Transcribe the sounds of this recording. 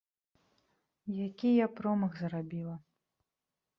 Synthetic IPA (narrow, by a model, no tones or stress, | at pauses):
jakʲijapɾɔmɐɣzɾabʲilˠɐ